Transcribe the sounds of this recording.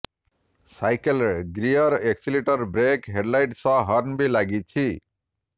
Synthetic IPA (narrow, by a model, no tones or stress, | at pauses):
sajkelɡɾijʌɾeksiliʈʌrbɾekɦeɖlajʈsʌ̃ɦʌrnbilaɡit͡sʰi